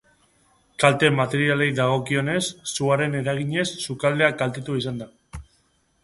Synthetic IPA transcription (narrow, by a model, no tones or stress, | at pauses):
kalt̪e̞mat̪e̞ɾiale̞jðaɣ̞o̞kio̞ne̞sːuaɾe̞ne̞ɾaɣ̞iɲe̞sːukald̪e̞akalt̪et̪uisand̪a